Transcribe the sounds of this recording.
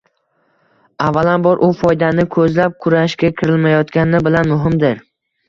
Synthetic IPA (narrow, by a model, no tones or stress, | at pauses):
avːalanbɒɾʔʊfɒjd̪anɪkʰɵzlap̚kʰʊɾaʃkʲakʲʰɪɾɪlmajɒt̪kʲanɪbɪlanmʊɦɪmd̪ɪɾ